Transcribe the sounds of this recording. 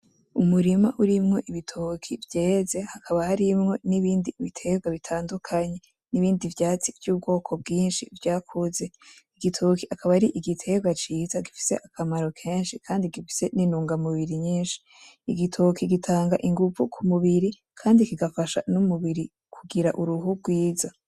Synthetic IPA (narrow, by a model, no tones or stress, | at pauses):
umuɾimaʔuɾimŋo̞ʔiβitʰokʰivjeːze̞hakʰaβahaɾimŋo̞niβiːndiβitʰe̞ɡwaβitʰaːndukʰaɲe̞ | niβiːndivjaːt͡sivjuːb̚ɡo̞ːkʰo̞b̚ɡiːnʃivjaːkʰuze̞iɡitʰoːkiakʰaβaɾiʔiɡitʰe̞ɡɡwat͡ʃiːzaɡifi̥se̞̰ʔakʰamaɾo̞kʰe̞ːnʃikʰaːndiɡifi̥se̞ninuːŋɡamuβiɾiɲiːnʃi̥ | iɡitʰokʰiɡitʰaːŋɡaʔiŋɡuvukʰumuβiɾi | kʰaːndikiɡafaʃa̰numuβiɾi | kʰuɡiɾaʔuɾuɦuɡwiːza